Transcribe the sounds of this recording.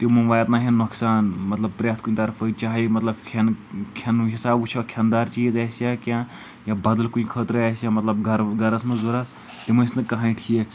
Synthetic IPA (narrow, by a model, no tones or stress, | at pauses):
t̪imɐnʋaːjt̪naɦenːoksaːnmɐt̪lɐb̚pɾʲaːt̪̚ʰkuĩt̪ɐɾfəit͡ʃaːɦimɐt̪lɐbkʰenkʰɐnɦisaːbut͡ʃʰokʰand̪aːɾt͡ʃiːzɐːsjãːkʲãː | jabɐd̪əlkuĩkʰət̪ɾɨɛːsjãmɐt̪lɐbɡʱɐɾɡɐɾɐsmɐ̃zuɾɐsʰ | t̪imɐsnɨkɐɦãiʈʰie